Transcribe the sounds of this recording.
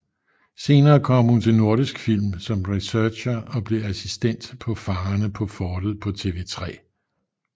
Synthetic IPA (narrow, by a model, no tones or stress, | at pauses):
se̝ːnɐːkʰɒ̽m̰hunt͡sʰe̝lno̝ɐɾ̥isɡ̥fil̰msɒ̽mʁisœːɕɐɒ̽b̥le̝æsisd̥en̰d̥pʰɒ̽fɑ̈ːnəpʰɒ̽fɒːd̥lpʰɒ̽t͡sʰe̝ʋe̝ːt͡sʰʁɛ̰ː